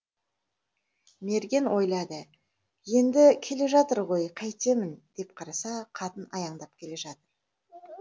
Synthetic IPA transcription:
me̞ɾɡʲe̞nwʔo̞jlˠɑd̪ə | je̞nd̪ɪkʲʰe̞le̞ʒɑt̪əɾʁo̞jqʰɑjt̪e̞mɪnd̪̥e̞p̚qʰɑɾɑsɑqʰɑt̪ənɑjɑɴd̪ɑp̚kʲʰe̞le̞ʒɑt̪əɾ

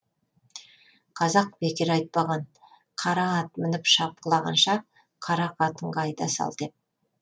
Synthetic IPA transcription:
qʰɑzɑq̚b̥ekʲɪɾɑjt̪̚pɑʁɑn | qʰɑɾɑːt̪mɪnɪpʃɑp̚qəlˠɑʁɑ̰nʃɑ | qʰɑɾɑqɑt̪əɴʁɑɑjd̪ɑsɑ̰lˠd̪̥ep̚

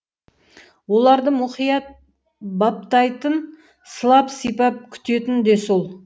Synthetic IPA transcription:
wo̞lˠɑɾd̪əmʊχijɑt̪̚ | bɑp̚t̪ɑjt̪ən | səlˠɑpsijpɑp̚kʲʰʏ̥t̪e̞t̪ɪnd̪e̞solˠ

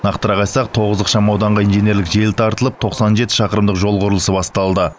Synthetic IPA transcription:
nɑqt̪əɾɑʁɑjsɑqt̪ʰo̞ʁəzd̪əqʃɑmɑwd̪ɑɴʁɑinʒene̞ɾlɪkʒejlt̪ʰɑɾt̪əlˠəp̚t̪ʰo̞qsɑnʒe̞t̪ɪ̥ʃɑqəɾəmd̪əqʒo̞lˠqʊɾəlˠəsəbɑst̪ɑlˠd̪ə

